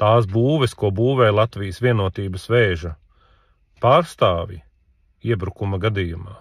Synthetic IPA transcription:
t̪aːs̬buːʋɛskuɔbuːvɛːjlˠat̪vijəsvʲiɛnuɔt̪iːbɐsʋɛːʒɐ | paːɾst̪aːvjḭ | iɛbɾukumɐɡad̪iːjuma̰ː

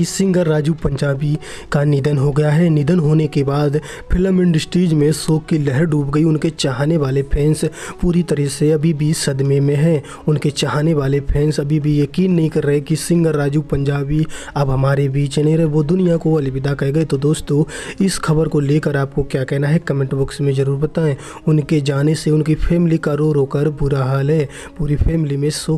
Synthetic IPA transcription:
kisɪ̃ŋɡəɾːaːd͡ʒupɐ̃ɲd͡ʒaːbi | kanɪd̪ənɦoɡɐjaɦɛnɪd̪ənɦoːnekebaːd̪ | pʰɪləmɪ̃ɳɖɪsʈiːd͡ʒmẽsoːkːilɛɦəɾɖuːpɡɐiʊnket͡ʃaɦaːneʋaːlepʰɛ̃ːnspuːɾit̪ɐɾəseɐbʱibʱisɐd̪memẽɦɛ̃ː | ʊnket͡ʃaɦaːneʋaːlepʰɛ̃ːnsɐbʱibʱijɐkiːnːɐɦĩkɐɾːɐɦekisɪ̃ŋɡəɾːaːd͡ʒupɐ̃ɲd͡ʒaːbi | ɐbɦɐmaːɾebiːt͡ʃnɐɦĩɾɐɦeʋod̪ʊnijakoɐlɪbɪd̪akɐɡɐet̪od̪oːst̪õːɪsxɐbəɾkoleːkəɾaːp̚kokjaːkɛɦnaɦɛkɐmɛ̃ɳʈbʊksmẽd͡ʒɐɾuːɾbɐt̪aɛ̃ | ʊnked͡ʒaːneseʊnkipʰɛːmɪlikaɾoːɾoːkəɾbʊɾaɦaːlɦɛː | puːɾipʰɛːmɪlimẽsoː

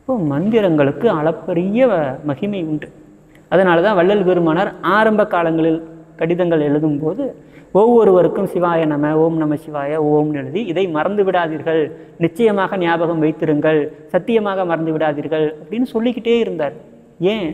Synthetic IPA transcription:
ɪpːoːmɐnd̪ɪɾɐŋɡɐɭɯkːɯɐɭɐpːɐɾɪjɐmɐɣɪmɐɪʊɳɖɯ | ɐðɐnaːlɐðãːʋɐɭːɐlʋeːɾɯmaːnɐɾaːɾɐmbɐkːaːlɐŋɡɐɭɪlkɐɽɪðɐŋɡɐɭɛɻɯðɯmpoːðɯ | ɔʋːɔɾɯʋɐɾɯkːɯmsɪʋaːjɐnɐmɐoːmnɐmɐsɪʋaːjɐoːmnɪɻɯðiɪðɐɪmɐɾɐnd̪ɯʋɪɽaːðiːɾɣɐɭ | nɪt͡ʃːɐjɐmaːɣɐnɪjaːbɐɣɐmʋɐɪt̪ːɪɾɯŋɡɐɭsɐt̪ːɪjɐmaːɣɐmɐɾɐnd̪ɯʋɪɽaːðiːɾɣɐɭɐpːɐɽɪnːɯsɔlːɪkːɪʈːejeːɪɾɯnd̪aːɾɣɐ | ẽː

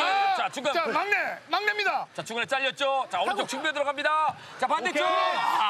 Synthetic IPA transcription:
t͡ɕat͡ɕuŋɡɯmaŋnemaŋnemɲidat͡ɕat͡ɕuŋɡɯnet͡ɕ͈aʎːʌt̚t͡ɕ͈ot͡ɕaonɯd͡ʑokt͡ɕʰuŋbjʌdɯɾʌɡɦamɲida | t͡ɕapandet̚t͡ɕo

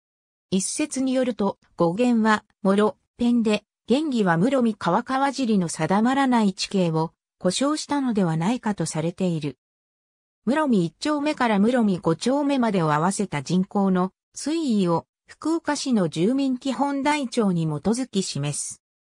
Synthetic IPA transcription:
isːe̞t͡sɨɲ̟ijo̞ɾɯ̟t̪o̞ | ɡ̥o̞ɡẽ̞ɰ̃βa | mo̞ɾo̞ | pẽ̞nd̪e̞ | ɡ̥ẽ̞ŋɡʲiβamɯ̟ɾo̞mʲikaβakaβaʑiɾʲino̞sad̪amaɾanait͡ɕi̥ke̞ːβo̞ | ko̞ɕo̞ːɕi̥t̪ano̞d̪e̞β̞anaikat̪o̞saɾe̞t̪e̞iɾɯ | mɯ̟ɾo̞mʲiːt͡ɕːo̞ːme̞kaɾamɯ̟ɾo̞mʲiɡ̥o̞t͡ɕo̞ːme̞mad̪e̞oaβ̞ase̞t̪ad͡ʑĩŋko̞ːno̞ | t͡sɨiio̞ | ɸɯ̟̥kɯ̟okaɕino̞d͡ʑɨːmʲĩŋkʲiɦõ̞nd̪ait͡ɕo̞ːɲ̟imo̞t̪o̞zɨkʲiɕimasɨ̥

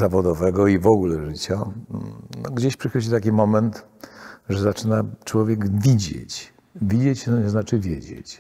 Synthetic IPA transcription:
zavɔd̪ɔvɛɡɔivɔɡulɛʐɘt͡ɕa | nɔɡd͡ʑeɕpʂɨxɔd͡ʑit̪ak̬ʲimɔmɛnt̪ | ʐɛzat͡ʂɘnat͡ʂwɔvʲjɛɡvʲid͡ʑḛt͡ɕ | vʲid͡ʑet͡ɕnɔɲɛznat͡ʂɘvʲjed͡ʑḛt͡ɕ

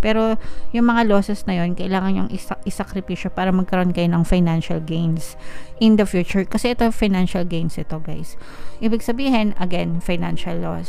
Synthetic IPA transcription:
pɛːɾo̞jʊŋmɐŋalo̞ːsɛsnɐjo̞nkɐʔɪlaːŋɐnɲoŋʔɪʔɪsɐkɾɪpiːʃopaːɾɐmɐɡ̚kɐɾoʔonkɐjo̞nɐŋfajnanʃɐlɡejnsʔɪnd̪ɐfjuːt͡ʃʊɹkɐsɛʔɛt̪o̞fajnanʃɐlɡejnsʔɪt̪o̞ɡajs | ʔiːbɪɡsɐbiːɦɪnʔɐɡɛnfajnanʃɐlːo̰s

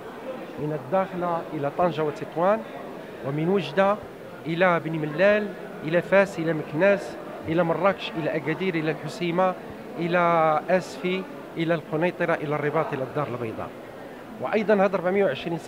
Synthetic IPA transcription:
mənəd̪ːæxlaʔəlæt̪ˤɑnʒawət̪ːit̪ˤwæn | wʔəmənwəʒd̪a | ʔəlæbniməlːæl | ʔəlæfæsʔəlæməknæs | ʔəlæmərˤːɑkʃʔəlæʔæɡæd̪iɾʔəlælħʊsima | ʔəlæʔæsfi | ʔəlælqonɑjt̪ˤəɾɑʔəlærˤːəbɑt̪ˤʔilæd̪ːɑɾəlbɑjd̪ˤɑ̰ | wəʔɑjd̪ˤɑnhæd̪ʔɑɾbaʕməjːawʕəʃɾins

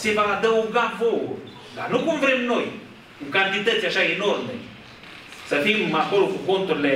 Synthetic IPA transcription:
sivad̪əuŋɡavoṵ | ɡa̰nukuɱvɾemnoj | kuŋkant̪it̪ət̪aʃaenɔɾmḛ | səfimakolukukont̪ɾle

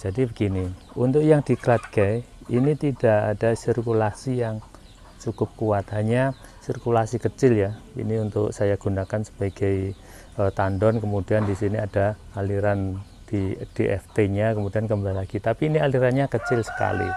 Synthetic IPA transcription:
d͡ʒ̥adibəɡ̥ini | unt̪ʊkjaŋd̥ikəɾat̪̚ɡɛjinit̪id̥aʔad̥asirkulasijaŋ | t͡ʃukʊp̚kuat̪ɦaɲa | sirkulasikət͡ʃɪljaḭniunt̪ʊ̰ksajaɡ̥unakansə̥b̥aɡ̥aj | ət̪andɔnkəmudiandisiniad̥aaliɾan | d̥id̥iʔɛ̰ft̪eɲakəmudiankəmbalaɡ̥it̪apiːnialiɾanɲakət͡ʃɪlsə̥ka̰lḭ

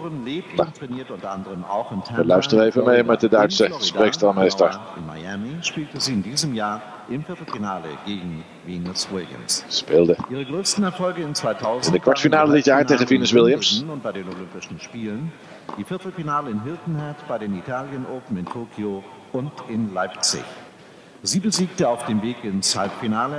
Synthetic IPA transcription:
ʁənleːpatʁ̥ɛniːɐtʊntɐʔandəʁəma̰ʊxɪntʰɛʋəlœɥstəʁəevənmejmɛt̚dədœɥtsəspʁekstalˠmeːstəɹɪ̰nma̰jɛmiʃpiːltəziːɪndiːzəmjaːɐ | ʔɪmfɪɐtl̩finaːlə̰ɡ̥eːɡŋ̩ | viːnsweɡə̰nsspeːlˠdəiːʁ̞əɡʁøːstn̩ɛɐfɔlɡəɪnt͡sv̥aɪtʰaʊzndəkvaɹtfinaːlədɪtjaːɹeɪʁənvinɪswɪlˠjəmsʊnt̚b̥aɪdeːnolʏmpɪʃn̩ʃpiːlən | d̥iːfɪɐtl̩finaːləɪnɦɪltn̩hɛɐtb̥aɪdeːnitʰaːljənʔoːpm̩ɪntʰoːkʰio | ʊntɪnlaɪpt͡sɪ̰ç | z̥iːbəziːk̚təaʊfd̥eːmveːkɪnshalpfinaːlə

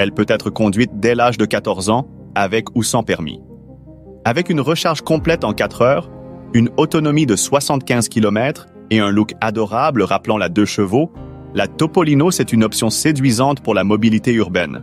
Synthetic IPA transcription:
ɛlpøt̪ɛt̪χəkɔ̃d̪ɥit̪̚d̪ɛlaʒd̪əkat̪ɔʁzɑ̃ | avɛkusɑ̃pɛʁmḭ | avɛkynʁəʃaʁʒkɔ̃plɛt̪ɑ̃kat̪χœːʁynɔt̪ɔnɔmid̪əswasɑ̃t̪̚kʲɛ̃zkʲilɔmɛt̪χ | eɛ̃lukad̪ɔʁabləʁaplɑ̃lad̪øʃəvo | lat̪ɔpɔlinosɛt̪ynɔpsjɔ̃sed̪ɥizɑ̃t̪puʁlamɔbilit̪eyʁbɛn

